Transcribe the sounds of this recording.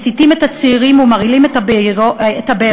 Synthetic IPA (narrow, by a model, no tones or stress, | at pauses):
sitimethat͡siːʁimumaʁilimt | tabe